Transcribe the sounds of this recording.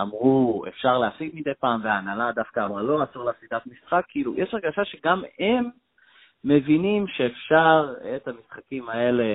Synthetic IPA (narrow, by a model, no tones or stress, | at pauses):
amʁue̞̰fʃaʁleasiɡ̚mid̪ejpaːmveaːnalad̪afkaːbʁalo̞asoʁlasid̪at̪misχakʰːiʔilṵjʔɛʃaʁɡaʃaʃe̞ɡamemː | e̞vinimʃe̞ːfʃaʁet̪hamisχakimae̞le̞